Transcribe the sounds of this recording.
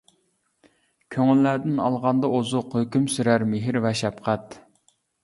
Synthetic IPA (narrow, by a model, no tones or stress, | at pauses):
kʲʰøŋylːæɾd̪ɪnɑlˠʁɑnd̪ɑozʊqhøkʲymsyɾæɾmeɦɪɾvɛʃɛpqʰæt̪